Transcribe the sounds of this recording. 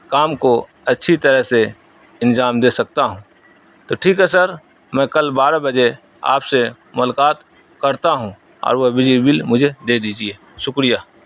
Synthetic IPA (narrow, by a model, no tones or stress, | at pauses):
kaːmko | ɐtːʃʰit̪əɾəɦse | ɪnd͡ʒaːmd̪eːsɐk̚t̪aɦũː | t̪oːʈʰiːkɦɛsəɾ | mɛ̃kɐlbaːɾabəd͡ʒe | a̰ːpse | mʊlkaːt̪ | kəɾt̪aɦũ | ɔ̰ːɾʋobɪd͡ʒibilmʊd͡ʒʱed̪eːd̪iːd͡ʒieː | ʃʊkɾijaː